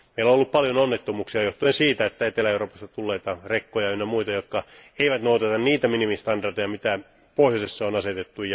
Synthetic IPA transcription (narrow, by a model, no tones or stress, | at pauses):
meilõolːuppɑljononːet̪ːomuːksiɑjoht̪uensiːt̪æet̪ːæet̪elæeuroːpɑst̪ɑt̪ulːeit̪ɑrekːojɑenːæmuit̪ɑjot̪kɑeiʋæt̪nout̪ɑt̪ɑnniːt̪æminimist̪ɑndɑrd̪ejɑmit̪æ | pohjosesːɑonɑset̪et̪ːujɑ